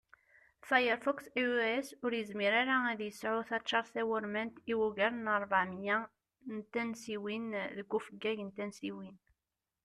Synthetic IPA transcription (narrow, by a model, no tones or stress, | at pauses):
fajəɾfɔksiɛsʊɾjəzmiɾaɾaæðjəsʕuθæt͡ʃːɑɾˤθæwəɾmənt̪iwuʝæɾnəɾˤvaʕmja | nt̪ːænsiwinðəɡufəɡːæʝənt̪ænsiwin